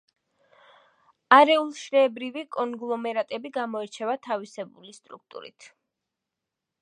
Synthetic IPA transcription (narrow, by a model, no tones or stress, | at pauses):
aɾɛulˠʃɾɛːbɾivikʼɔŋɡlˠɔmɛɾat̪ʼɛbiɡamɔɛɾt͡ʃʰɛvat̪ʰavisɛbulist̪ʼɾṵk̚t̪ʼṵɾḭt̪ʰ